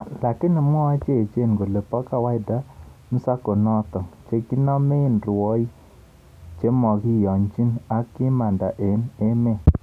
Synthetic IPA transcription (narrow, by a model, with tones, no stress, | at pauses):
la˨kɪ˦nɪ˨m˦ɔ˦wa˦t͡ʃe˦˨t͡ʃe˦˨n˨ɡo˨le˨pɔ˦ka˦wa˦ɪ˦˨da˦m̩˦sa˦ko˨nɔ˦t̪ɔ˨ŋt͡ʃe˦ki˦nɔ˦me˦˨nɾʊ˨ɔ˦i˦ | t͡ʃe˦mɔ˨ɡi˦jɔ˨ɲd͡ʒi˦na˦kɪ˦ma˨nda˨ʔe˨ne˦me˦˨